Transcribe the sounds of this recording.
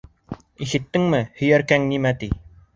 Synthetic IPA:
iʃɘ̆t̪ːɘŋmɘhɵ̆jæɾkæŋnimæt̪i

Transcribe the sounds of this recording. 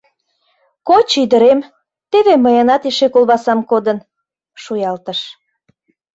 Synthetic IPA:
kot͡ɕid̪əɾem | t̪eβeməjənɑt̪eʃekolβɑsɑmkod̪ə̆n | ʃujɑlt̪əʃ

